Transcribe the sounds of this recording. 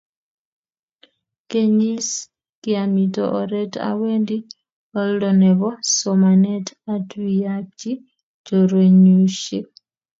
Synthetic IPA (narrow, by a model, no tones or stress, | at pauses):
keɲis | kiamitɔ̰ʔɔɾɛta̰wendi | ɔllɔnɛβɔsɔmanɛtatwijak̚t͡ʃi | d͡ʒɔɾweɲuʃi